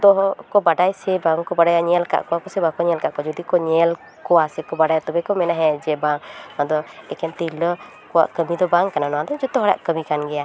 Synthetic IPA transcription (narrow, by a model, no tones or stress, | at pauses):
d̪ɔɦɔkɔbaɖajsɛbaŋkɔbaɖajaɲɛlka̰ʔkɔwakɔsɛbakɔɲɛlkaʔkɔd͡ʒɔd̪ikɔɲɛl | kɔwasɛkɔbaɖajt̪ɔbɛkɔmɛnaɦɛ̃d͡ʒɛbaŋnad̪ɔɛkɛnt̪ilə | kɔwa̰ʔkəmid̪ɔbaŋkananɔwad̪ɔd͡ʒɔt̪ɔɦɔɽa̰ʔkəmikanɡɛja